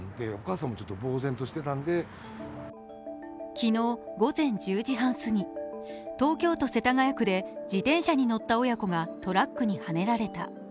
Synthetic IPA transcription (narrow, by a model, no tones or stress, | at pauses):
d̪e̞okaːsãmːo̞t͡ɕot̪ːobo̞ːzẽ̞nt̪o̞ɕi̥t̪e̞t̪ãnd̪e̞ | kʲino̞ːɡo̞zẽ̞ɲ̟d͡ʑɨːʑiɦãɰ̃sɨɲ̟it̪o̞ːkʲo̞ːt̪o̞se̞t̪aŋajakɯ̟d̪e̞d͡ʑit̪ẽ̞ɰ̃ɕaɲ̟ino̞t̪ːao̞jako̞ɡat̪o̞ɾakːɯɲ̟ihane̞ɾaɾe̞t̪a